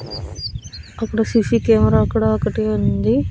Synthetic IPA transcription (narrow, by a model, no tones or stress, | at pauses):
ɐpːuɽusisikeːmɐɾaːɔkːɐɽaokɐʈiund̪i